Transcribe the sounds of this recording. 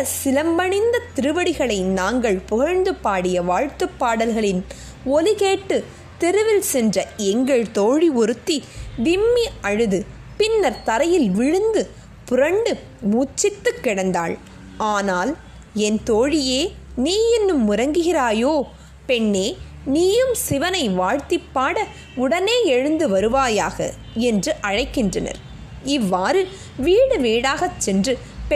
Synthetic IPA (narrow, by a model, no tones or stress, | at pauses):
ɐsɪlɐmbɐɳɪnd̪ɐt̪ɪɾɯʋɐɽɪɣɐɭɐɪnaːŋɡɐɭpʊɣɐɾnd̪ɯpːaːɽɪjɐʋaːɻt̪ɯpːaːɽɐlɣɐɭɪn | ɔlɪɣeːʈːɯ | t̪ɛɾɯʋɪlsɛndrɐɛŋɡɐɭt̪oːɻiɔɾɯt̪ːiʋɪmːiɐɻɯðɯ | pɪnːɐɾt̪ɐɾɐjɪlʋɪɻɯnd̪ɯ | pʊɾɐɳɖɯ | muːt͡ʃːɪt̪ːɯkːɪɽɐnd̪a̰ːɭ | aːnaːl | ɛnt̪oːɻɪjeː | niːjɪnːɯmːʊɾɐŋɡɯɣɪraːjoː | pɛɳːeː | niːjɯmsɪʋɐnɐɪʋaːɻt̪ɪpːaːɽɐ | ʊɽɐneːɛɻɯnd̪ɯʋɐɾɯʋaːjaːɣɐ̰ | ɛndrɯʔɐɻɐɪkːɪndrɐnɐ̰ɾ | ɪʋːaːɾɯ | ʋiːɽɯʋeːɽaːɣɐt͡ʃːɛndrɯ | p